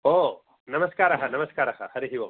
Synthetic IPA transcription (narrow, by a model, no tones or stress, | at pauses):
oː | nɐmɐskaːɾɐɦɐnɐmɐskaːɾɐɦɐhɐɾiɦiʋo